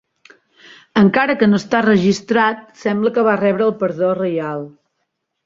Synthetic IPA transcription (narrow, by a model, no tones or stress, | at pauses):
əŋkaɾəkənost̪arəʒist̪ɾat̪̚sɛmbləkəβ̞arɛβɾəːlˠpəɾðorəjalˠ